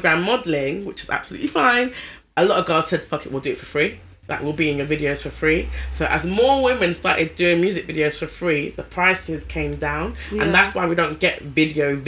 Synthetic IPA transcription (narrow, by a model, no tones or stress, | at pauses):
ɡɹãmːɒdl̩ɪ̃ŋwɪt͡ʃɪza̰b̥səlʉ̰ʔlifãɪ̃n | əlɔɾəvɡaɪz̥sɛd̪̚ðə̥pʰʌkɪʔwɪlˠdəɪtfəfɹiː | la̰ɪkwɪlˠbiɪ̃njəvɪdioʊz̥fəfɹiːsoʊʔəzmɔːwɪ̃mɪ̃nstɑˑtɪd̚dʉːɪ̃ŋmjʉːzɪkvɪɾioʊz̥fəfɹiːðəpʰɹ̥aɪsɪz̥kʰẽɪ̃mdãʊ̃nə̃nðatswaɪwidə̃ʊ̃nɡ̥ɛʔvɪdiəʊv